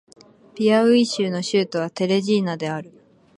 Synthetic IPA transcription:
pʲiaɯ̟iɕɨːno̞ɕɨːt̪o̞β̞at̪e̞ɾe̞ʑiːnad̪e̞aɾɯ̟

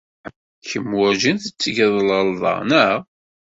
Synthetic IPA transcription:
kːəmwʊʒənθət͡sːəʝəðˤləlðˤɑ̰nəʁ

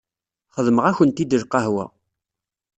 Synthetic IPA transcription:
χəðməʁæçənt̪id̪əɾqɑɦwæ̰

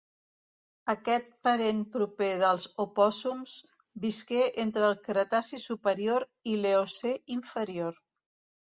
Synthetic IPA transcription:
əkɛt̪̚pəɾempɾupeðəlˠzupɔzumz | biskeʔent̪ɾəːlˠkɾət̪asisupəɾioɾileoseiɱfəɾioɾ

